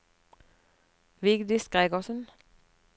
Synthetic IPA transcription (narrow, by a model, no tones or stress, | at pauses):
ʋɪɡd̪ɪsɡ̥ʁeːɡɔsən